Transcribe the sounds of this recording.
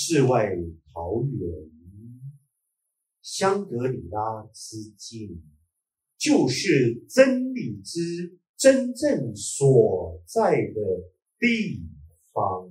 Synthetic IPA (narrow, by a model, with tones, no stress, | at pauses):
ʂɻ̩˥˧wa˥˩ɪt̪ʰɑ˨˦ʊɥɛ˧˩˦n | ɕjɑ˥ŋk̪ɤ˧˦˥li˨˩la˥ʈ͡ʂɻ̩˥t͡ɕi˥˩n | t͡ɕjo˥˧ʊʂɻ̩˥˩ʈ͡ʂə˦˥nli˨˩ʈ͡ʂɻ̩˥ | ʈ͡ʂə˦˥nʈ͡ʂə˥˨˩ŋswɔ˨˩t͡sa˥˩ɪd̪ə˩ | t̪i˥˩ | fɑ˧˦ŋ